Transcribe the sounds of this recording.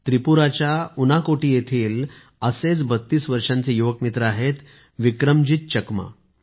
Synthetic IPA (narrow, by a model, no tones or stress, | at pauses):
t̪ɾipuɾat͡ɕjaunakoʈiːjet̪ʰiːl | əset͡sbət̪ːiːsʋəɾʂãnt͡sejoʋəkmit̪ɾəaɦet̪ | ʋikɾəmd͡ʑit̪̚t͡ɕəkma̰